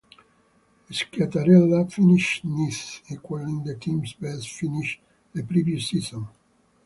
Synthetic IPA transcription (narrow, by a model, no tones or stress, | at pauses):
iskʰat̪aɾɛlːafiniʃnisikwalĩŋd̪əkʰĩmsbɛsfiniʃ | d̪epɾivjusizɔ̃n